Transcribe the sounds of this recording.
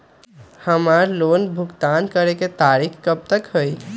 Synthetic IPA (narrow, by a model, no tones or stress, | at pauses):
həmaɾlonbʱukt̪ankəɾeket̪aɾikkəb̚t̪əkɦoj